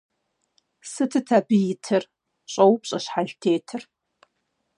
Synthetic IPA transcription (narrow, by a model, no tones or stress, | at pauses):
sɨtʰɨtʰɐbɨjɪtʰɨr | ɕʼɐwpɕʼɐɕħaɮtʰeːtʰɨr